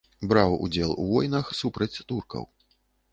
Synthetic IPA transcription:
bɾawṵd͡zʲɛlˠuvɔjnɐxsupɾɐt͡sʲt̪urkɐ̰w

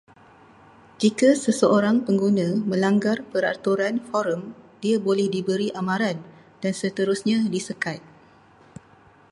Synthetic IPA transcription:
d͡ʒikasəsəoɾaŋpəŋɡunãmə̃laŋɡarpəɾa̰t̪uɾanfɔɾəmd̥iabolɛhdibəɾiʔamãɾan | d̥ansət̪əɾusɲãdisəkat̪̚

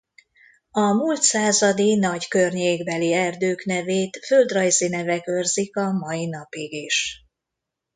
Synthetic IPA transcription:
ɒmuːlt̪saːzɒd̪inɒɟkørɲeːɡbɛliɛrd̪øːknɛveːt̪fø̞ld̪rɒjzinɛvɛkørzikɒmɒjinɒpiɡeːʃ

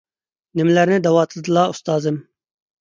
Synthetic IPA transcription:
nɪmlɐɾned̪ɐwaːt̪ʰd̪laːʊst̪aːzɪm

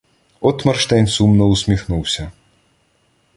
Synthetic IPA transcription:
ɔt̪mɛrʃt̪ɛnʲsumnɔusʲmʲixnuwsʲɐ

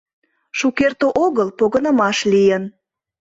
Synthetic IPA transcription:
ʃukert̪oʔoɣəlpoɣənə̆mɑʃlijən

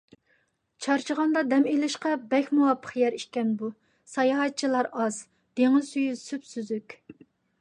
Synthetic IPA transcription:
t͡ʃʰɑɾt͡ʃʰəʁɑnd̪ɑd̪ɛmelɪʃqɑbɛkʲmuwɑpʰːə̥χjɛɾiʃkʲɛnbu | sɑjɑɦɑt̪̚t͡ʃʰilˠɑɾɑz | d̪̥eŋɪzsyjysypsyzykʲ

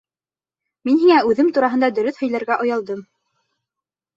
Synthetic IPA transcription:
minɦiŋæʉðɘmt̪uɾɑɦɤ̆nd̪ɑd̪ɵ̆ɾɵθhɵ̆jlæɾɡæʔŏjɑlˠd̪ɤm

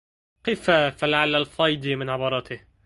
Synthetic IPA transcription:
keːfafalaʕalːalfɑjd̪imɪnʕɪbɑːɾˤɑːt̪ɪ

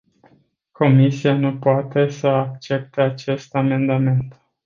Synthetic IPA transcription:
ko̞misianupoat̪e̞səak̚t͡ʃe̞p̚t̪eat͡ʃe̞st̪ame̞nd̪ame̞nt̪

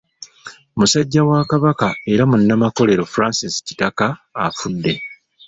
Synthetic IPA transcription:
musaɟːawaːkaβakae̞ɾamunːamako̞le̞ɾo̞fuɾaːnsisci̥takaːfudːe̞

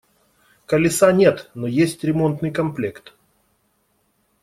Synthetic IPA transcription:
kəlʲɪsanʲe̞t̪nojesʲtʲɾʲɪmo̞nt̪nɨjkɐmplʲekt̪

